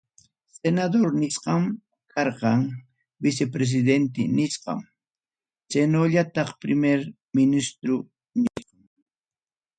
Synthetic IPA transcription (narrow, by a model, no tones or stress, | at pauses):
senad̪oɾnɪʃqɑm | kʰɑɾqɑŋ | bɪs̬epɾes̬ɪd̪ent̪ɪnɪʃqɑ̰m | t͡ʃenoʎat̪ɑχpɾɪmeɾ | mɪnɪst̪ɾʊ | nɪjqɑŋ